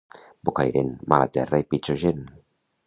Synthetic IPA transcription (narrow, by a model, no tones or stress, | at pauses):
bokajɾḛnmala̰t̪ɛraepit͡ʃoʒen